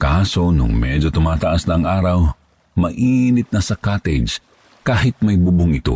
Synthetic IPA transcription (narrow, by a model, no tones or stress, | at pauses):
kaːso̞nʊ̰ŋmɛd͡ʒot̪ʊmaːt̪ɐʔasnɐːŋʔaːɾɐw | mɐʔiːnɪt̪̚nɐsɐkaːt̪ed͡ʒ | kaːɦɪt̪̚mɐjbubʊŋɪt̪o̰